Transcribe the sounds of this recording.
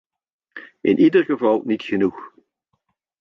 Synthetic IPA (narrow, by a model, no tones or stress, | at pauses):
ʔɪnʔidəɡəfɑlˠnɪtçənux